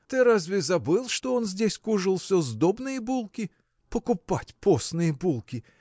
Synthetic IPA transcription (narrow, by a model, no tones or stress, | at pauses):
t̪ɪɾazʲvʲizɐbɨlˠʂt̪ɔɔnzʲdʲesʲkuʐɨlˠsʲɔzd̪ɔbnɨjɛbulˠkʲi | pɔkʊpatʲpɔsnɨjɛbulˠkʲi